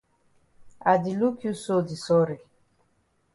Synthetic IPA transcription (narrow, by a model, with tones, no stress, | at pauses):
a˨di˨lu˦kju˦so˦˨di˨sɔ˦ɾe˨